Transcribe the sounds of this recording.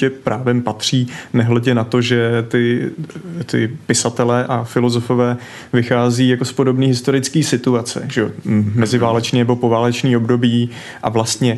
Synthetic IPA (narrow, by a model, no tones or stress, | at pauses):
ɛpɾʔaːvɛmpat̪r̝̥iːnɛɦlɛɟɛnat̪o̞ʒɛt̪ɪ | t̪ɪ̰pɪsat̪ɛlɛːʔafɪlo̞zo̞fo̞vɛː | vɪxaːziːjako̞spo̞do̞bniːɦɪst̪o̞ɾɪt͡skiːsɪt̪uat͡sɛ̰ʒɛomɛzɪvaːlɛt͡ʃniːnɛbo̞po̞vaːlɛt͡ʃniːo̞bdo̞biː | ʔavlast̪ɲɛ